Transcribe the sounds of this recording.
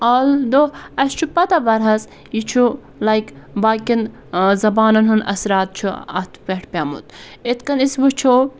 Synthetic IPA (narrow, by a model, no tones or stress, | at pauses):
aːld̪oɐst͡ʃʰupɐt̪ɐʋɐɾɦɐs | jit͡ʃʰu | lajkbakin | zɐbaːnɐnɦunɐ̰sɾaːt̪̚t͡ʃʰuɐ̰t̪ʰpeʈʰpʲamṵt̪ | it̪kɐnisʋɨt͡ʃʰo